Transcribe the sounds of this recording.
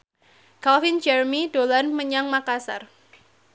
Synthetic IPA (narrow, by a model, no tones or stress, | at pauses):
kalfɪnd͡ʒɛrmidolanməɲaŋmakasa̰r